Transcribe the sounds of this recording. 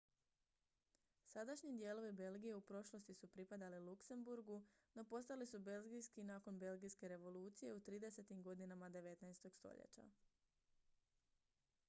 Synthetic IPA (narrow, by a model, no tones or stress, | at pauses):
sad̪aʃɲid̪je̞ːlo̞ʋibe̞lɡije̞upɾo̞ʃlˠo̞st̪isupɾipad̪alilukse̞mbuɾɡuno̞po̞st̪alisube̞lɡijskinaːko̞nbe̞lɡijske̞ɾe̞ʋo̞lˠuːt̪sije̞ut̪ɾiːd̪e̞se̞t̪imɡo̞d̪inamad̪e̞ʋe̞t̪najst̪o̞ɡst̪o̞̰ʎḛt͡ɕa̰